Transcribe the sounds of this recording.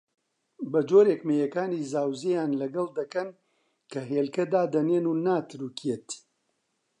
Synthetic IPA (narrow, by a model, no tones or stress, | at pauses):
bɐd͡ʒoːɾekmejɐkaːniːzaːwzejaːnlɐɡɐlˠd̪ɐkɐn | kʰɐɦeːlkɐd̪aːd̪ɐneːnunaːt̪ʰɨɾuːkʰjeːt̪